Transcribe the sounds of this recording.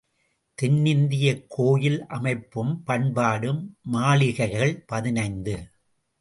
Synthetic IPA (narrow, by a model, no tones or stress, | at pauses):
t̪ɪnːɪnd̪ɪjɐkʰːoːjɪlʔɐmɐɪpːɯmpɐɳbaːɽɯmːaːɭɪɣɐɪɣɐɭpɐðɪnɐɪnd̪ɯ